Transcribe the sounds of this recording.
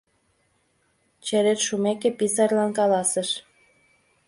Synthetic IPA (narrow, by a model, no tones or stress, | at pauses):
t͡ɕeɾet̪ʃumekĕpisɑrlɑnkɑlɑsə̆ʃ